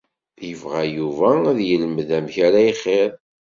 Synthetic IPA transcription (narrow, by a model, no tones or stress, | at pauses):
jəvʁæjuvææðjələmðæmçæɾæjχeɾ